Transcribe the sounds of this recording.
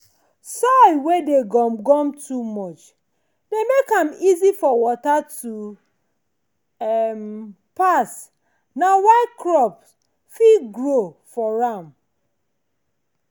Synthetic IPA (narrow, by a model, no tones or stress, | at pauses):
sawedeɡɔmɡɔ̃mtʰumɔt͡ʃ | demekãmizifɔwɔtatu | ɛm | pas | nawaɪkʰɹɔps | fiɡɹofɔɹãm